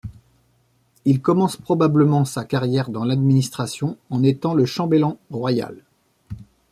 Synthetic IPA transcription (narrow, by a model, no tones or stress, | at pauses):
ilkɔmɑ̃spχɔbabləmɑ̃sakaʁjɛʁd̪ɑ̃lad̪minist̪χasjɔ̃ɑ̃net̪ɑ̃ləʃɑ̃belɑ̃oʁwaja̰l